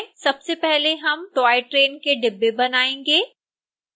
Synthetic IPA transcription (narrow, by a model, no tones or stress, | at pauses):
sɐbsepɛɦleɦɐmʈaːɪʈɾeːnkeɖɪbːebɐnaːẽːŋɡeː